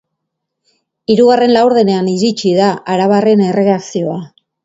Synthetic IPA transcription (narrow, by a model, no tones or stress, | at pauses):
iɾuɣare̞nlawɾðe̞ne̞aniɾit͡ʃiðaʔaɾaβare̞ne̞rʔe̞ɣaksio̞a